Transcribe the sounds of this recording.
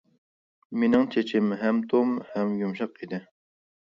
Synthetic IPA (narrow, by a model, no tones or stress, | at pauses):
menɪŋt͡ʃʰet͡ʃʰɪmɦɛmt̪ʰomhɛmjumʃɑqid̪ɪ